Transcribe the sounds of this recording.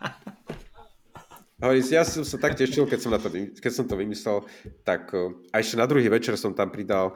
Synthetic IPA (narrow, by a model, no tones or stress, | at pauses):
ɦɔʋɔɾiːsijasɔmsat̪akcɛʃilkɛcsɔmnat̪ɔʋikɛcsɔmt̪ɔʋimislɛlt̪akaɛʃcɛnad̪ɾuɦiːʋɛt͡ʃɛɾsɔmt̪ampɾid̪al